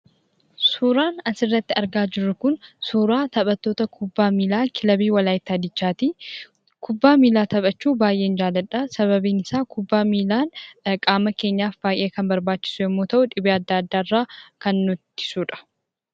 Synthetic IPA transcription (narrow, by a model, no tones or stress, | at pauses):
suːɾaːnɐsɪrːɐt̪ːɪɐɾɡaːd͡ʒɪɾːʊkʊnsuːɾaːt̪ɐɓʼɐt̪ːo̞ːt̪ɐkʰʊbːaːmiːlaːkʰɪlɐbiːwɐlaːjɪt̪ːɐd̪ɪt͡ʃːaːt̪i | kʊbːaːmiːlaːt̪ɐbʼɐt͡ʃːuːbaːjʔe̞ːnd͡ʒaːlɐᶑaːsɐβɐbiːnɪsaːkʰʊbːaːmiːlaːnkʼaːmɐke̞ːɲːaːfb̥aːjʔe̞ːkɐnbɐɾbaːt͡ʃːɪ̥sʊjɛmːoːt̪ɐʔʊᶑɪbeɐd̪ːaːɐd̪ːaːrːaːkɐnːʊt̪ːɪ̥suːᶑɐ̥